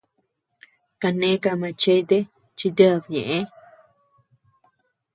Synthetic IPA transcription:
ka˧nẽ˦ka˧mã˧t͡ʃe˦d̪e˦ | t͡ʃi˧d̪ə˦˧˨bɲẽ˨ʔẽ˦

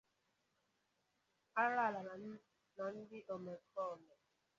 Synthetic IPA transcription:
a˦ɾa˦˨la˨ | na˨n̩˦dɪ˦ʔɔ˨me˨kʰɔ˦˨lɛ˨

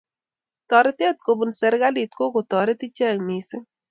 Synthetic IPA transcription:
t̪ɔ˨ɾɪ˦t̪e˦t̪̚ko˨bu˨nsɛ˨ɾɡa˦li˨t̪̚ko˦ko˨t̪ɔ˨ɾe˦t̪i˦t͡ʃɛ˦˨ŋmi˨sɪ˦

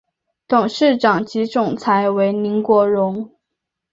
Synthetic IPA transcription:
t̪ʊ˨˩ŋʂɻ̩˥˩ʈ͡ʂɑ˨˩ŋt͡ɕi˧˥ʈ͡ʂʊ˨˩ŋt͡sʰa˧˥ɪwe˧˥ɪni˧˥ŋkwɔ˧˥ɻʊ˧˥ŋ

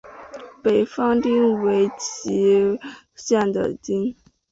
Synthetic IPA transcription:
pe˨˩ɪfɑ˥ŋt̪i˥nwe˧˥ɪt͡ɕʰi˧˥ | ɕjɛ˥˩nd̪ə̰˨˩t͡ɕi˥n

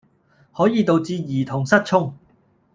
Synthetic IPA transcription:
hɔː˨˥jiː˨t̪o˨wt͡siː˧jiː˨˩t̪ʰʊ˨˩ŋsɐ˥t̚t͡ʃʰʊ˥ŋ

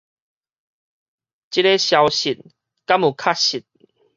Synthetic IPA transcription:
t͡ɕi˦ɾe˦ɕja˧wɕi˨˩t̚ | ka˦˥mu˨˩kʰa˦ɕi˨˩t̪̚

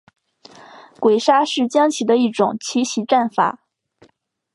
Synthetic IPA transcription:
kwe˨˩ɪʂa˥ʂɻ̩˥˩t͡ɕjɑ˥ŋt͡ɕʰi˨˩d̪ə˧˦i˥˩ʈ͡ʂʊ˨˩ŋt͡ɕʰi˧˥ɕi˧˥ʈ͡ʂa˥˩nfa̰˨˩˦

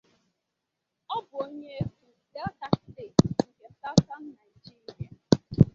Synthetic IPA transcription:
ɔ˦bʊ˨o˦ɲe˦e˦ku˨ | de˦ɔ˦ta˦k̩˦de˨ŋ̩˨ke˨ta˦ta˦n̩˦na˨i˨d͡ʒi˦ɾi˨a˨

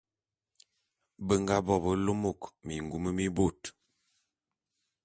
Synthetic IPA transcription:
bə˨ŋɡa˦bɔ˦˨bə˦lo˦mo˦˨kmi˨ŋɡu˨mə˦mi˦bo˦˨t

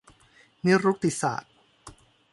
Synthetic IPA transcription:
ni˦˥ɾu˦˥k̚t̪i˨˩sa̰ː˨˩t̪̚

